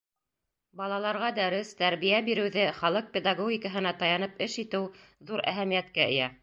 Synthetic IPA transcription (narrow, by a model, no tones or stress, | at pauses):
bɑlˠɑlˠɑɾʁɑd̪æɾɘst̪æɾβijæbiɾɘ̆wðɘχɑlˠɤq̚pʲed̪ɑɡoɡʲɪkəɦɤ̆nɑt̪ɑjɑnɤpɘʃit̪ɘwðuɾæ̰ɦæmijæt̪̚kæɘ̰̆jæ